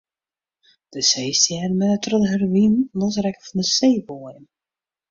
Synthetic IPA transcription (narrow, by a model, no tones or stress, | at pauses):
d̥əseːstjɛrmɛnətʰrɔdəɦərʋinlɔs̬rɛkəfɔndəseːboəjən